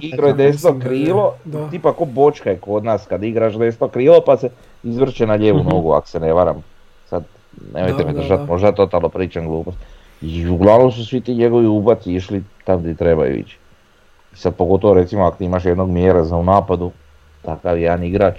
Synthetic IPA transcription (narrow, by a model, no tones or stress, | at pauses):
iɡɾojed̪esit̪okɾiːlˠo̞t̪ipakobo̞t͡ʃkajeko̞d̪naːskad̪iɡɾaʃd̪es̬it̪okɾiːlo̞pase | izʋr̩t͡ʃenaʎeːʋunoːɡua̰ko̥sene̞ʋaɾa̰m | sad̪ | nemojt̪emed̪ɾr̩ʒat̪mo̞ʒd̪at̪o̞t̪alopɾiːt͡ʃanɡlˠuːpost̪ | iuɡlˠaʋno̞ms̬usʋit̪iːɲeɡo̞ʋiubat̪siiʃlit̪amt̪it̪ɾe̞ba̰jṵḭt͡ʃ | isad̪̚poɡo̞t̪oʋo̞ɾe̞t̪simoakot̪iimaʃje̞d̪no̞ɡmjeɾazaunaːpad̪u | t̪akaʋjed̪aniɡɾaːt͡ʃ